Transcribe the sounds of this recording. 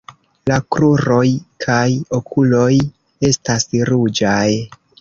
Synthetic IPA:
lakɾuɾo̞jkʰajo̞kʰulo̞j | e̞stasɾud͡ʒaj

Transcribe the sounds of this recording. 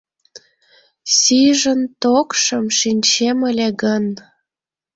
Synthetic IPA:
siʒənt̪okʃəmʃinʲt͡ɕeməlʲeɣən

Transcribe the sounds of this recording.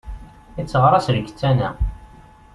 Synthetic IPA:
it͡sːəʁɾˤɑsɾəɡə̥t͡sːænæ

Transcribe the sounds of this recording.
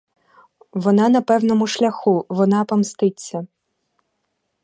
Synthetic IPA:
ʋɔnɑnɐpɛwnɔmʊʃlʲɐxuʋɔnɑpɔmst̪ɪt͡sʲːɐ

